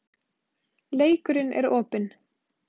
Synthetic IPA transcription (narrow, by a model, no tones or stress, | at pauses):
leːjkʏɾɪnʔɛ̰ɾoːpɪn